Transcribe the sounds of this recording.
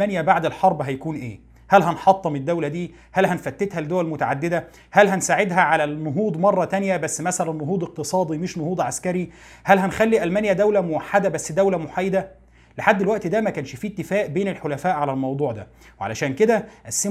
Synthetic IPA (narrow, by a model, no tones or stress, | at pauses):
ænjæbaʕd̪elħɑɾˤbɦæjækuːnʔeː | hælɦænħɑt̪ˤːɑmed̪ːæwlæd̪iː | hælhænfæt̪ːet̪hæld̪owælmʊt̪a̰ʕad̪ːed̪æ | hælɦænsaːʕed̪ɦæʕalænːoɦuːd̪ˤmɑrˤːɑt̪ænjæbæsːmæsælænːoɦuːd̪ˤeq̚t̪ɨsˤɑːd̪ˤimɪʃnohuːd̪ˤʕaskæɾi | hælɦænxælːiʔælmæːnjæd̪æwlæmʊwaħːad̪æbæsːd̪æwlæmʊħajed̪æ | leħad̪ːelwæʔt̪id̪æmækæːnʃfiːt̪ːɪfæːʔbeːnelħolæfæːʔʕalælmɑwd̪ˤuːʕd̪æ̰ | weʕa̰læʃæːnked̪æʔæsːe